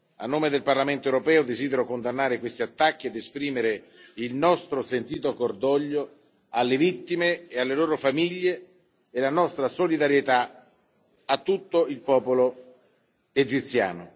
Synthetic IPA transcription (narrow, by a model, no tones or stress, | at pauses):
a̰nːoːmed̪elparlament̪oewɾopɛːod̪eziːd̪eɾokond̪anːaːɾekwest̪iat̪ːakːied̪espɾiːmeɾe | ilnɔst̪ɾosent̪iːt̪okord̪ɔʎːo | alːevit̪ːimeːalːeloːɾofamiʎːeː | lanɔst̪ɾasolid̪aɾjet̪a | at̪ːut̪ːoilpɔːpolo | ed͡ʒit̪sja̰ːno̰